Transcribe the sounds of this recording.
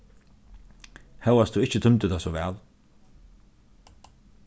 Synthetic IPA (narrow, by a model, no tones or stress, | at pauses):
hɛwast̪uːɪt͡ʃət̪ʰʏmt̪əd̪asɔʋɛ̰ːl